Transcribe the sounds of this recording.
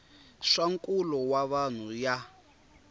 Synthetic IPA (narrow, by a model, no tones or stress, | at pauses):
ʂaŋkʼulɔwaβan̤uja